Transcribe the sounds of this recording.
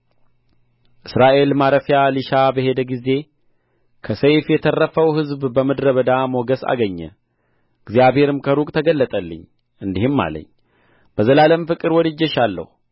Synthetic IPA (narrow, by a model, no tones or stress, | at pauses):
ʔɨsɾaʔe̞lmaɾəfjalɨʃabəɦe̞d̪əɡize̞ | kʰəsəjfjɛt̪ʰərːəfəwhɨzbbəmɨd̪ɾəβəd̪amoɡəsa̰ɡəɲːə̰ | ɨɡzjaβhe̞ɾɨmkʰəɾukʼt̪ʰəɡəlːət̪ʼəlːɨ̰ɲː | ʔɨnd̪ihɨmːa̰lə̰ɲː | b̥əzəlaləmfɨkʼːɨɾwɔd̪ɨd͡ʒːəʃalːə̰hu